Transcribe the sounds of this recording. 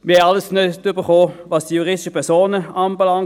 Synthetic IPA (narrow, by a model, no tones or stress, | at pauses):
mɪɐhɛɑləsnøtybəχoːvɑsd̥ijuʁɪsd̥ɪ̥ʃəpʰɛʁsoːnəɑːnbəlɑŋ